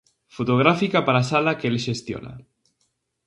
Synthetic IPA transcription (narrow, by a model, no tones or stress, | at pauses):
fot̪oɣ̞ɾafikapaɾasalakelʃest̪jo̰na̰